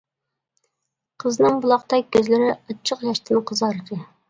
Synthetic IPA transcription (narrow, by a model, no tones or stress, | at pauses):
qʰəznɨŋbulˠɑqt̪ɑkʲʰːøzlɪɾɪɑt͡ʃʰːəqjɑʃt̪ʰɪnqʰəzɑɾd̪ɪ